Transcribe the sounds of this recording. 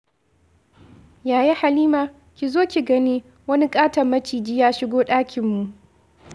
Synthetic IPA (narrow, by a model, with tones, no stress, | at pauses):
jaː˨ji˦ha˨liː˦maː˨ | kʲi˨zoː˦kʲi˨ɡɐ˦niː˦ | wɐ˦ni˦kʼaː˦tɐ˨mːɐ˦t͡ʃiː˨d͡ʒiː˦jaː˦ʃɪ˦ɡʷoː˦ɗaː˦kʲʰɪ˨mːu˨ʔ